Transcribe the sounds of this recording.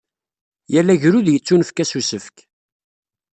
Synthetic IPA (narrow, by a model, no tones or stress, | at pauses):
jælːæʝɾuðjət͡sːunəfkæsusəfk